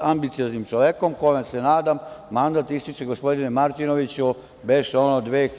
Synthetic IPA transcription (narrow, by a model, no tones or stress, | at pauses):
ambit̪sijoznimt͡ʃoʋjeko̞mko̞jomasenaːd̪amːand̪at̪ist̪it͡ʃeɡospo̞d̪inemaɾt̪inoʋit͡ɕu | beʃonod̪ʋeː